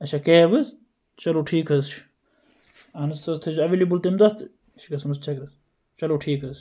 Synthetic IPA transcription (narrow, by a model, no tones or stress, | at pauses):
ɐt͡ʃʰakeːʋɨz | t͡ʃɐloːʈʰiːkɐzt͡ʃʰ | ɐnɨsɐzt̪ʰɨt͡ʃʰɐʋilibult̪emd̪ɐt̪ɨ | t͡ʃʰikɐsmɐst͡ʃʰɐkɾɐz | t͡ʃɐloʈʰiːkɐz